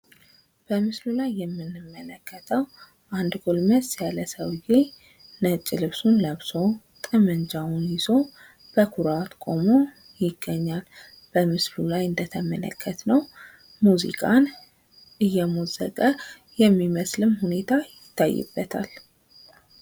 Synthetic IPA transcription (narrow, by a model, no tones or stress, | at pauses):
b̥əmɨslulajːɛmːɨnːɨmːələkʰːət̪ʰəw | ʔand̪ɡo̞lməsjaləsəwje | nət͡ʃʼːɪlɨβsunləβso̞ | t̪ʼɨmənd͡ʒawunjɪzo̞ | b̥əkʰuɾawt̪kʼo̞mo | jɪɡ̥ːəɲːal | b̥əmɨslulajɨnd̪ət̪ʰəmə̰lə̰kʰːət̪nəw | muzḭkʼan | ʔɨjːɛmozə̰kʼə | jɛmːiməslɨmhune̞t̪ʰajɪt̪ːa̰jːɨ̰bːət̪ʰa̰l